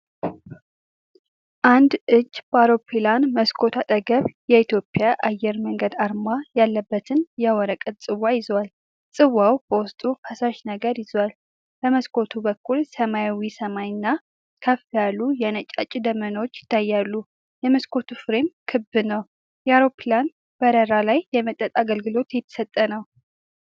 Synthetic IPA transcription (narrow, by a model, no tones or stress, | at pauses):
ʔand̪ɨt͡ʃːbaɾo̞pʰːilanməskʰo̞t̪ʰat̪ʼəɡəβjɛit̪jo̞pʼjaʔajːɛɾməŋɡəd̪aɾmajalːəbːət̪ʰɨnjɛwɔɾəkʼət̪̚ʼsʼɨwːajɪzwal | sʼɨwːawb̥əwʊst̪ʼufəsaʃnəɡəɾjɪzwal | bəməskʰo̞t̪ʰubəkʰːulsəmajawisəmajɪnːa | kʰəfijalːujɛnət͡ʃʼa̰t͡ʃʼɪd̪əmənwot͡ʃːjɪ̥t̪ʰːajːalːu | jɛməskʰo̞t̪ʰufɨɾemkʰɨbːɨnəw | jɛaɾoplan | b̥əɾəɾalajːɛmət̪ʼːət̪ʼaɡəlɡɨlo̞t̪jɛt̪ʰːə̥sət̪ʼːənəw